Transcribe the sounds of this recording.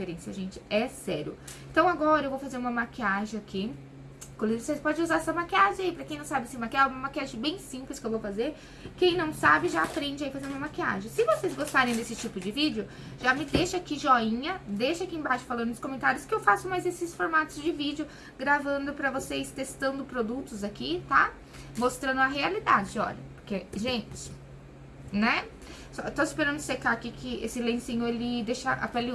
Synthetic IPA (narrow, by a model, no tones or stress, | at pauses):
eɾẽsiɐʒẽnt͡ʃɪ̥ɛsɛɾjʊ̰ẽnt̪ɐ̃w̃aɡɔɾɐewvowfazeɾũmɐmakiaʒẽakʰi | kõliosespɔd͡ʒɪuzaɾɛsɐmakiaʒẽaipɾɐkẽj̃nɐ̃w̃sabɪsĩmakiaũmɐmakiaʒẽbẽj̃sĩplɪskɪewvowfazeɾ | kẽj̃nɐ̃w̃sabɪʒaapɾẽd͡ʒɪaifazeɾumɐmakia̰ʒẽsɪvosejzɡost̪aɾẽj̃d̪esɪt͡ʃipʊd͡ʒɪvid͡ʒɪʊ | ʒ̥amɪd̪eʃɐakiʒɔĩɲɐd̪ejʃɐakiẽbajʃʊ̥falɐ̃nd̪ʊd̪ʊskomẽnt̪aɾjʊskɪewfasʊmajzesɪsfoɾmat̪ʊzd͡ʒɪvid͡ʒɪʊ | ɡɾavɐ̃nd̪ʊpɾɐvosejst̪est̪ɐ̃nd̪ʊpɾod̪ut̪ʊzakit̪a | most̪ɾɐ̃nd̪ʊɐɦealid̪ad͡ʒɪɔ̰ʎɐpʊɾkeʒẽnt͡ʃɪ̥ | nɛ | sɔt̪oispeɾɐ̃ndʊʊɪsekakikʰɪḛsɪlẽsĩɲʊelɪd̪eʃɐʔa̰pali